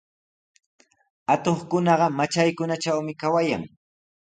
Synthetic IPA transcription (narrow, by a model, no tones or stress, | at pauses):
at̪oχkʊnɑɢɑmat͡ʃajkʊnat͡ʃawmɪkawaja̰ŋ